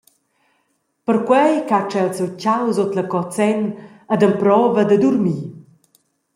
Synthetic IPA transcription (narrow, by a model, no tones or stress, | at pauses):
pəɾkwɛjkat͡ʃɛlsɛwcawzɔt̪ləkɔt͡sɛn | əd̪əmpɾɔvəd̪əd̪uɾmi